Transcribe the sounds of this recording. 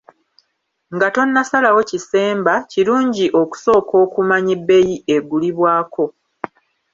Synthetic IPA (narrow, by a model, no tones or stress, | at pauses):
ŋɡato̞nːasalawo̞cise̞ːmbaciɾuːɲɟiʔo̞ku̥so̞ːko̞ːkumaɲibːe̞jie̞ɡuliβwaːkʰo̞